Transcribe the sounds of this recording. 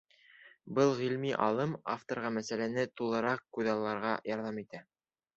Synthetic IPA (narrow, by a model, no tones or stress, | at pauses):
bɤlˠʁilmiʔɑlˠɤmaft̪oɾʁɑmæsælænɘt̪ulˠɤ̆ɾɑq̚kʉðɑlˠːɑɾʁɑjɑɾðɑmit̪æ